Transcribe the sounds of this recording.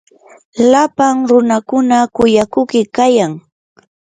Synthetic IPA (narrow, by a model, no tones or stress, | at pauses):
lapaŋɾʊnakʊnakʊjakʊkɪkajaŋ